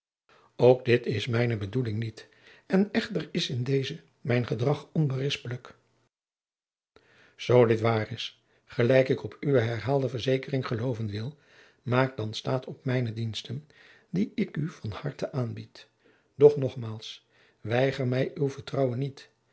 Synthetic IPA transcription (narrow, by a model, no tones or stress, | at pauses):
owk̚dɪtɪsmɛjnəbədulɪŋnit | ɛnɛχtərɪsɪndejzə | mɛjnχədrɑχɔnbərɪspələk | z̥owdɪtʋaːrɪs | χəlɛjkɪkɔpʰyʋəɦɛɹɦaːlˠdəvəɹzejkərɪŋχəlowvənʋɪlˠ | maːk̚dɑnstaːtʰɔpmɛjnədinstən | diɪkyvɑnhɑɹtəʔaːnbit | d̥ɔχnɔχmaːlˠs | ʋɛjχərmɛjywvəɹtrɑwənːit